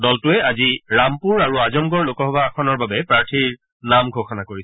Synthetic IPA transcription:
dɔltʊɛaziɹampuɹaɹuazɔmɡɔɹlokɔɦɔbʱaaxʰɔnɔɹbabɛpɹaɹtʰiɹ | namɡʱoxɔnakoɹisɛ̥

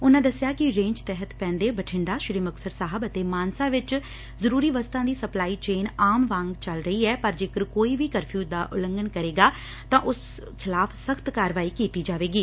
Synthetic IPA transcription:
ʊnãːd̪əsɪjaːkɪɾẽːɲd͡ʒt̪ɛɦət̪pɛ̃ːnd̪eːbəʈʰɪɳɖaːʃɾiːməksəɾsaːɦəbət̪eːmaːnsãːʋɪt͡ʃ | zəɾuːɾiːʋəst̪ãːd̪iːsəplaːiːt͡ʃeːnaːmʋãːŋɡt͡ʃəlɾəiːɛːpəɾd͡ʒeːkəɾkoːiːʋiːkəɾpʰjuːd̪aːʔʊlə̃ŋɡənkəɾeːɡaː | t̪ãːʔʊs | kʰɪlaːpʰsəkt̪kaːɾʋaːiːkiːt̪iːd͡ʒaːʋeːɡiː

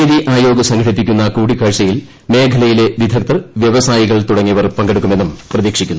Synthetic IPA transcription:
ɐðiʔaːjo̞ːɡɐsɐŋɡʰʱɐɽipːikʲːunːɐkuːɽikʰːɐːɻt͡ɕɐjil | me̞ːkʰɐlɐjile̞ʋid̪ʱɐk̚t̪ɐrʋjeʋɐsaːjiɣɐɭt̪uɽɐŋːiʋɐrpɐŋɡeɽukːume̞nːumprɐðiːkʂikʲːunːu

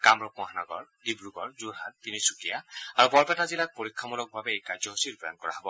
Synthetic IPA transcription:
kamɹɔpɔ̃aɦanɔɡɔ̰ɹɡibɹuɡɔɹzuɹɦatpinisukijaaɹubɔɹpɛtazilak̚poɹikʰːamulɔk̚babɛːjkazjɔɦusitpɹɔda̰nkɔɹa̰ɦɔbɔ

